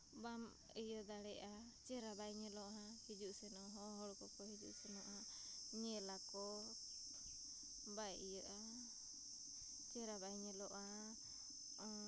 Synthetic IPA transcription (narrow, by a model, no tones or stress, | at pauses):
bam | əjɔd̪aɽɛʔa | t͡ʃɛɾabajɲɛlɔʔɦãhid͡ʒuʔsɛnɔɦɔɦɔɽkɔkɔhid͡ʒṵʔsɛnɔʔa | ɲɛlakɔ | bajijəʔa | t͡ʃɛɾabajɲɛlɔʔa